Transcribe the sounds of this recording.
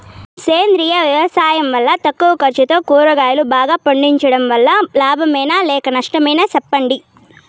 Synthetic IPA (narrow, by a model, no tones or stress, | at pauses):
seːnd̪ɾijɐʋjɐʋɐsaːjɐmʋɐlːɐt̪ɐkːuʋɐkɐɾt͡ʃɐt̪oːkuːɾɐɡaːjɐlubaːɡaːpɐɳɖiɲt͡ʃɐɽɐmʋɐlːɐlaːbʱɐmɐjnalɛːkɐnɐʂʈɐmɐjnɐsɛpːɐɳɖi